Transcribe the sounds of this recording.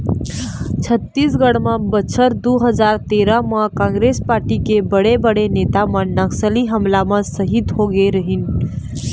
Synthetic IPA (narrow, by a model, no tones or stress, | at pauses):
t͡ʃʰət̪ːiːsɡəɽmãbət͡ʃʰəɾd̪uɦəd͡ʒaːɾt̪eɾamãkãŋɡɾespaːɾʈikebəɽebəɽeneːt̪amãnəksəliɦəmlamãsəɦit̪ɦoɡeɾəɦin